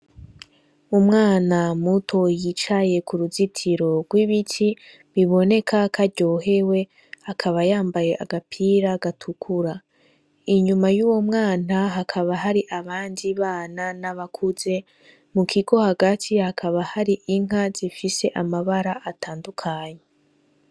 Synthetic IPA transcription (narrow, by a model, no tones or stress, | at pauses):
umŋaːnamutʰo̞jit͡ʃaje̞kuɾuzitʰiɾo̞ɡ̥wiβitʰi | βiβo̞ne̞kʰakʰaɾɟo̞ɦe̞we̞ | akʰaβajaːmbaje̞ʔa̰ɡapʰiɾaɡatʰukʰuɾa | iɲumajuwo̞mŋaːnaɦakʰaβaɦaɾiʔaβaːndiβaːnanaβakʰuze̞ | mukʰiɡo̞haɡatʰihakʰaβahaɾiʔiŋ̥ɦazifise̞ʔamaβaɾaʔatʰaːndukʰaɲe